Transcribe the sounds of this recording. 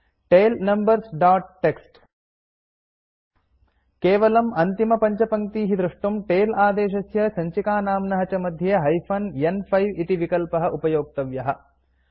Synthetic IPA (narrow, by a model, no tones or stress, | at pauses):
ʈeːlnɐmbɐɾsɖaːʈ̚ːeksʈ | keːʋɐlɐmɐnt̪imɐpɐɲt͡ʃɐpɐŋt̪iːɦid̪ɾuʂʈumʈeːlaːd̪eːʃ̬ɐsjɐsɐɲt͡ʃikaːnaːmnɐɦɐt͡ʃɐmɐd̪ʱjɐɦɐjpʰɐnjenpʰɐjʋit̪iʋikɐlpɐɦɐʔupɐjoːk̚t̪ɐʋjɐɦɐ